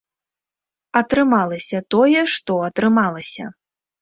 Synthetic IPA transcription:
ɐt̪ɾɨmalˠɐsʲɐt̪ɔjɛʂt̪ɔɐt̪ɾɨmalˠɐsʲɐ̰

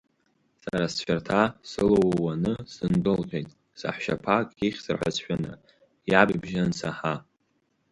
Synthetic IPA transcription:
saɾast͡ɕᶣartʰasɨlowwanɨsɨndɨlqʲejtʼ | sa̰ħʃa̰pʰakʼiχʲsɨrħʷa̰sʃʷᶣana̰ | jabibʒansʰaħa

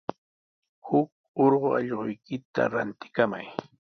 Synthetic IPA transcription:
hʊk̚ | oɾɢoɑʎɢʊjkɪt̪a̰ɾant̪ɪ̥kama̰j

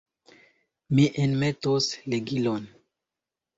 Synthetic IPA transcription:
miʔenmetosleɡilon

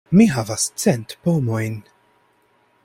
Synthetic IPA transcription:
miɦavɐst͡sɛnt̪pɔːmojn

